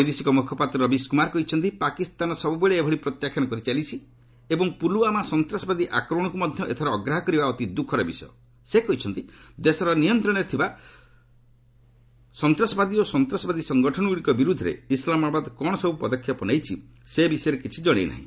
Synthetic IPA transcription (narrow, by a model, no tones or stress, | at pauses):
jd̪esikɔmukʰɔpat̪ɾɔɾɔbiskumaɾkɔɦit͡ʃʰɔnt̪ipakist̪anɔsɔbubeɭeːbʱɔɽipɾɔt̪jakʰjɔɽ̃ɔkɔɾit͡ʃalit͡ʃʰi | ebɔŋpuluamasɔnt̪ɾasɔbad̪iʔakɾɔɽ̃ɔkumɔd̪ʱjɔʔet̪ʰɔɾɔːɡɾaɦɔkɔɾibaɔt̪id̪ukʰɔɾɔbisɔjɔ | sekɔɦit͡ʃʰɔnt̪id̪esɔɾɔnijɔnt̪ɾɔɽ̃eɾt̪ʰiba | sɔnt̪ɾasɔbad̪iosɔnt̪ɾasɔbad̪isɔŋɡɔʈʰɔɽɔɡuɽikɔbiɾud̪ʱːɔɾḛislamabad̪kɔɽ̃ɔsɔbupɔd̪ɔkʰːjɔpɔnejt͡ʃʰi | sebisɔjɔɾekit͡ʃʰid͡ʒɔɽ̃ḛjna̰ɦḭ̃